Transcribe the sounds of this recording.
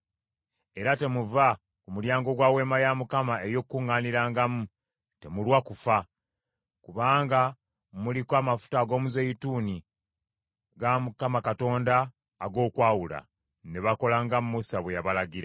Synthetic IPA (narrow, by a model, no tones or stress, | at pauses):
e̞ɾate̞muva | kumuljaːŋɡo̞ɡwaːwe̞ːmajamukamae̞jo̞kuŋːaniɾaːŋɡamu | te̞mulwakufa | kuβaːŋɡa | mulikwamafu̥taːɡo̞ːmuzejituːni | ɡamukamakato̞ːndaː | ɡo̞ːkwaːwula̰ | ne̞βako̞laːŋɡamumusaβwejaβalaɡiɾa